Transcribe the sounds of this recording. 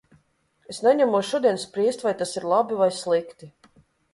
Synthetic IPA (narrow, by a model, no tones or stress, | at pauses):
esnɛɲamuɔʃuɔd̪iɛnspɾiɛst̪ʲvajt̪asiɾlˠabivajslˠikt̪i